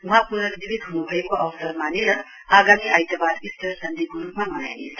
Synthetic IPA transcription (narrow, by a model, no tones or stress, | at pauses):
ũɦãpurnʌɾbibid̪ɦunubʱʌekoʔʌwsʌɾmaneɾʌ | aɡamiʔajt̪jabad̪ist̪ʌɾsʌnd̪ikoɾupmamʌna̰jnesʰ